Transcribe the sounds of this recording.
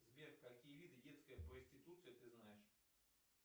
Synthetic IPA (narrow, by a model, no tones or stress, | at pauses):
zʲvʲerxkakʲijəvʲid̪ɨdʲet̪skəjəpɾəsʲtʲit̪ut̪sɨjət̪ɨznajɪʂ